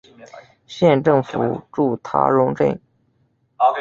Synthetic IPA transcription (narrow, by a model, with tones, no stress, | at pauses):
ɕjɛ˥˧nʈ͡ʂɤ˥˩ŋfu˨˩ʈ͡ʂu˥˩t̪ʰa̰˧˥ɻʊ˧˥ŋʈ͡ʂə̰˥˩ŋ